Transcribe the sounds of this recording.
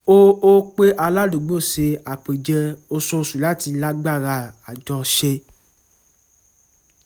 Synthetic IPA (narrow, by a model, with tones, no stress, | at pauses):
o˦o˦k͡pe˦ʔa˧la˦du˨ɡ͡bo˦˨se˧a˨k͡pe˨d͡ʒɛ˧o˧so˧su˨la˨˦˨ti˧˦la˦ɡ͡ba˦˨ɾa˧˨a˨d͡ʒɔ̃˧ʃe˧